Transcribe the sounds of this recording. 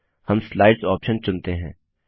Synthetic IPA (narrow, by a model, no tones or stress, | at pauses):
hɐmslaːɪɖsɔːpʃənt͡ʃʊnt̪eɦɛ̰̃ː